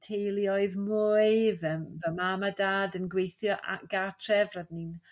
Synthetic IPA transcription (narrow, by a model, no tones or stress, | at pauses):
tʰejlˠiɔɨðmuɨvəmvəmamadaːdənɡwejθjɔʔa̰ɡ̥atʰrɛvradnin